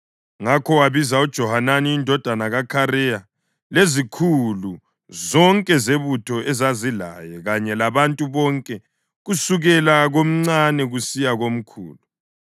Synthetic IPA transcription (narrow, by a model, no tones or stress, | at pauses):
ŋakʰɔwaβizaud̥ʒ̥ʱɔhananiindʱɔd̥ʱanaɣakʰaɾɛja | lezikʰulu | zɔŋkʼɛzeβutʰɔɛzazila̰jɛɣaɲɛlaβantʼuβɔŋkʼɛ | ɣusuɣɛlaɣom̩ŋ͡ǀanɛɣusijaɣom̩kʰṵːlu